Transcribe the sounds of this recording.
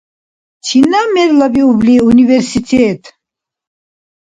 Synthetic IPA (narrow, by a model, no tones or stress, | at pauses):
t͡ʃʰinamɛɾlabiubliunivɛɾsit̪ʰɛːt̪ʰ